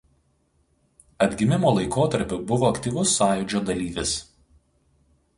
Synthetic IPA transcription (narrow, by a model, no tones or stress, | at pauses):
ɐd̪ʲɡʲɪmʲɪmoːlˠɐɪkoːt̪ɐɾʲpʲʊbʊʋoːɐkt̪ʲiːʋʊsːɑːjʊd͡ʒʲoːd̪ɐlʲiːʋʲɪs